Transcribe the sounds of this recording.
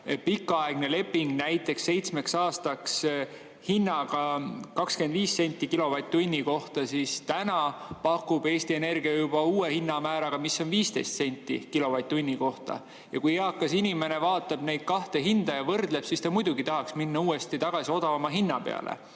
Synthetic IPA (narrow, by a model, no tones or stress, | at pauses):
pikːˑɑɑe̞ɡ̥ne̞le̞pːˑiŋɡ̥næjt̪ːˑe̞ksːe̞jt̪sme̞ksɑːst̪ɑks | hinːɑɡ̥ɑkɑkske̞nd̪viːsːenʲt̪ːˑikilo̞vɑt̪ʲːˑunʲːiko̞ht̪ɑsist̪ænɑpɑkːˑub̥e̞ːst̪ie̞ne̞rɡ̥iɑjub̥ɑuːe̞hinːɑmæːɾɑɡ̥ɑmisːo̞nviːst̪e̞jst̪se̞nʲt̪ːˑḭkilo̞vɑt̪ʲt̪ːunʲːiko̞ht̪ɑ̰ | jɑkujeɑkːˑɑsinʲime̞ne̞vɑːt̪ːˑɑb̥ne̞jd̪̥̚kɑht̪e̞ɦind̪̥ɑjɑvɤrd̪le̞b̥sist̪ɑmujd̪uɡit̪ɑɦɑksminːɑuːe̞st̪it̪ɑɡ̥ɑsio̞d̪ɑvɑmɑɦinːɑpe̞̰ɑ̰lʔḛ